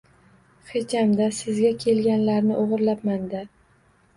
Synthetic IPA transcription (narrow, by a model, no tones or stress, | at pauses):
χet͡ʃamd̪asɪzɡʲakʲʰe̞lɡʲanlaɾnɪʔoʁɨɾlapmand̪ɪ